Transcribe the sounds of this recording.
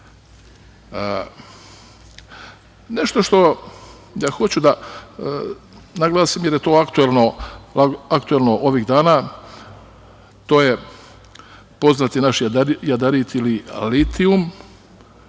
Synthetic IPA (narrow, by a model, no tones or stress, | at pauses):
ne̞ʃt̪o̞ʃt̪o̞ | jaxo̞t͡ɕud̪a | naɡlaːsimjeɾjet̪o̞ːakt̪uelˠno̞aakt̪uelˠno̞ʔoʋiɣd̪aːnaː | t̪o̞ːje̞ | po̞znat̪inaʃjad̪aɾit̪ililit̪ium